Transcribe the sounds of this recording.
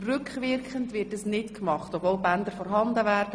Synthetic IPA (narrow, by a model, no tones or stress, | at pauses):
rʏkχvɪɾkəntʋɪtɛsnɪtkmɑχtopvoːlbændəɾfɔɾɦɑndəvɛːɾdə